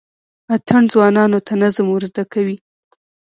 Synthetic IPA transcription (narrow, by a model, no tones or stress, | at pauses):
at̪ʰaɳzwɑnɑnot̪ʰanazamuɾzd̪akawi